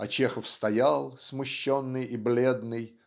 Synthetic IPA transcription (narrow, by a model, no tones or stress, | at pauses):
ɐt͡ɕexəfst̪ɐjalˠsmʊɕːonːɨjiblʲe̞d̪nɨj